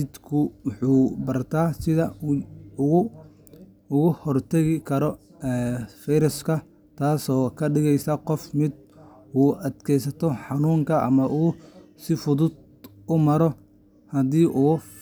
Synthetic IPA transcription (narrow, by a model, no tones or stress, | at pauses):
ɪd̪kʰʊwʊħuːbɐrt̪ʰaːsɪðɐ | ʊɣʊhɔrt̪ʰɐɣɪkʰɐɾɔ | ɛːfɛɾɐskʰɐ | t̪ʰaːsɔːkʰɐɖɪɣɛjsɐqɔfmɪd̪̚ | uːʔɐd̪kʰɛjsɐt̪ʰɔħɑnuːŋkʰɐʔɐ̰mɐʔuːsɪfʊðʊd̪ | ʊmɐɾɔ | hɐd̪iːʔuː